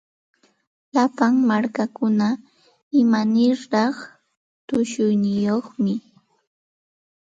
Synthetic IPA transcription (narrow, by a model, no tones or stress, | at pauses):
lapaŋmaɾkakʊna | ɪmanɪɾɾɑχ | t̪ʊʃʊjnɪjoχmɪ